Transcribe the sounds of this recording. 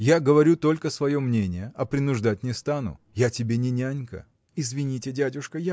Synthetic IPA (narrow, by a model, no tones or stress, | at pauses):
jaɡəvɐɾʲut̪o̞lʲkəsvɐjo̞mnʲenʲɪjəɐpɾʲɪnʊʐd̪at̚ʲnʲɪst̪anʊ̰ | jatʲɪbʲenʲɪnʲanʲkə̰ | ɪzvʲɪnʲitʲɪdʲædʲʊʂkəja